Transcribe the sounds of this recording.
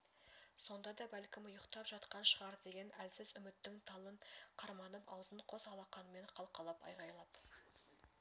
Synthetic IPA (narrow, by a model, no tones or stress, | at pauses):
so̞nd̪ɑd̪ɑbælkʲɪmʊjəqt̪ɑpʒɑt̪qɑnʃəʁɑɾd̪e̞ɡʲe̞nælsɪzʏmɪt̪ːɪŋt̪ʰɑlˠənqʰɑɾmɑnəpɑwzənqʰo̞sɑlˠɑqɑnəme̞ɴqʰɑlˠqɑlˠɑpɑ̰jʁɑjlˠɑp̪